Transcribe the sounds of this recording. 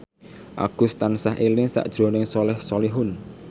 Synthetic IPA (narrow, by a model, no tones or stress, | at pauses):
ʔa̰ɡ̥ʊ̤st̪ansaɦʔelɪŋsa̰ʔd̥ʒ̥ɾonɪŋsɔlɛhsɔliɦʊn